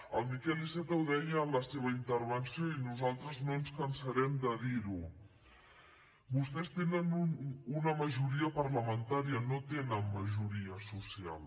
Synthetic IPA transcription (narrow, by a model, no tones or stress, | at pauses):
əlˠmikɛlisɛt̪əwðɛjəːmləseβəint̪əɾβ̞ənsjoinuzalˠt̪ɾəznoənskənsəɾɛmd̪əðiɾu | bust̪ɛst̪enənuunəməʒuɾiəpərləmənt̪aɾiənot̪enənməʒuɾiəsusia̰lˠ